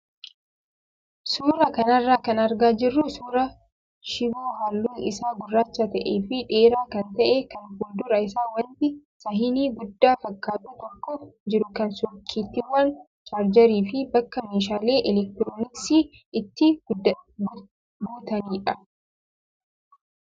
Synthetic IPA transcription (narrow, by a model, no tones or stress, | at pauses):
suːɾɐkɐnɐrːaːkɐnɐɾɡaːd͡ʒɪrːʊsuːɾɐ | ʃɪɡoːɦaːlːuːnɪ̰saːɡʊrːaːt͡ʃːɐt̪ɐʔeːfɪᶑe̞ːɾaːkɐnt̪ɐʔeːkɐnhʊld̪ʊɾɐɪsaːwɐnt̪ɪsɐɦɪniːɡʊd̪ːaːfɐkːaːt̪uːt̪ɔkːɔd͡ʒɪɾʊkɐnsɔkʰːiːt̪ːɪwːɐn | t͡ʃʼaːɾd͡ʒɐɾiːfɪbɐkːɐmeːʃaːle̞ːʔɛlɛk̚t̪ɪɾoːnɪksiː | ɪt̪ːɪ | ɡuːt̪ɐniːᶑɐ